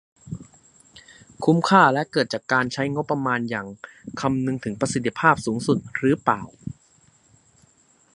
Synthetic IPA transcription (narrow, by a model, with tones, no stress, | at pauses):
kʰu˦˥mkʰaː˥˩lɛ˦˥ʔkɤː˨˩t̪̚t͡ɕaː˨˩kːaː˧nt͡ɕʰa˦˥jŋo˦˥pːɾa˧maː˧njaː˨˩ŋkʰa˧mnɯ˧ŋt̪ʰɯ˩˦ŋpɾa˧si˨˩t̪ːi˧˥pʰaː˥˩p̚suː˩˦ŋsu˨˩t̪̚ɾɯː˨˦plaː˨˩w